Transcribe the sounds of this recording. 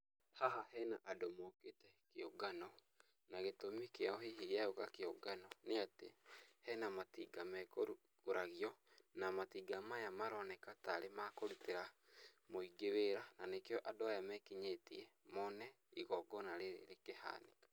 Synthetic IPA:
haɦahɛnaʔadomoketɛkeoɡanɔ | naɣetomikeaɔɦiɦijaokakeoɡanɔneatḛhɛnamatiːɡamɛkoɾu | koɾaɣiɔnamatiːɡamajamaɾɔnɛkataɾemakoɾuteɾamoiɡeweːɾananekjɔʔadoajamɛkiɲeːtiɛmɔnɛ | iɣɔɡɔnaɾeɾḛɾekeha̰ːnekḁ

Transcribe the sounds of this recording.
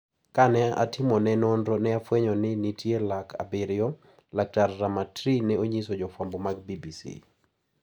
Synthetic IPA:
kanɛa̰tʰɪmɔnɛnɔndɾɔnɛafwɛɲɔnɪnitʰjelakʰa̰beɾjɔ | lak̚tarːamatɾinɛoɲisod͡ʒɔfwambomaɡ̚bibisḭ

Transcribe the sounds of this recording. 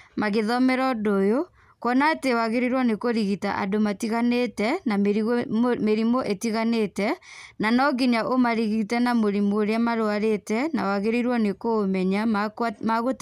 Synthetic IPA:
maɣeðɔmɛɾɔdojo | kwɔnatewaɣeɾeɾwɔnekoɾiɣita̰ʔa̰domatiɣanetɛna | meɾimoʔetiɣanetɛnanɔɡiɲaʔomaɾiɣitɛnamoɾimoːɾeamaɾoaɾetɛna̰waɣeɾeɾwɔnekomɛɲamaɣot

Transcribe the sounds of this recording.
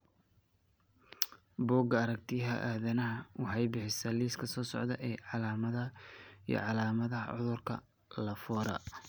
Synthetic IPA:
bɔːɡɐɐɾɐk̚t̪ʰɪɦɐ̰ʔaːðɐnɐɦɐwɑħɑjbɪħɪsɐliːskʰɐsɔːsɔ̰ʕd̪ɐʔɛːʕɑlaːmɐðɐḭjɔ̰ʕɑlaːmɐðɐɦɐ̰ʕʊ̰ðʊrkʰɐ̰ | lɐfɔːɾɐ̰

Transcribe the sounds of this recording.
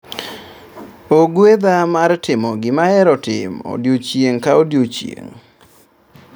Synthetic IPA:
oɡwed̪amartɪmɔɡɪmaɛɾɔtɪ̰mo̰djot͡ʃjeŋkaodjot͡ʃjḛŋ

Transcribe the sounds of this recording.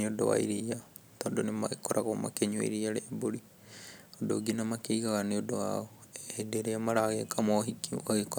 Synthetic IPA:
iodo̰wa̰iɾija | t̪oːndonemaɣekoɾʔaɣoma̰keɲwa̰iɾijaɾeːboɾi | odo̰ɡinamakeiɣaɣaniodowa̰ɣo | eedeɾeamaɾaɣekamoɦikiaɣeko

